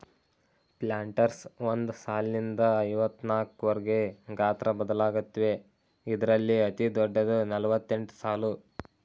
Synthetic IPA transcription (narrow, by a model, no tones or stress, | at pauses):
plaːɳʈɐɾsond̪usaːlnind̪ɐɐjʋɐt̪ːnaːkuʋɐɾɐɡe̞ɡaːt̪ɾɐbɐd̪ɐlaːɡut̪ːʋe̞ | id̪ɐɾɐlːiɐt̪id̪ɔɖːɐd̪unɐlɐʋɐt̪ːe̞ɳʈu̥saːlu